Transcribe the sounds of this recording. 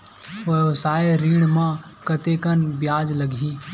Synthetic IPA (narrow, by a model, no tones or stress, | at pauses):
ʋəʋsaːeɾiːɽ̃mã | kət̪ekənbjaːd͡ʒləɡʱi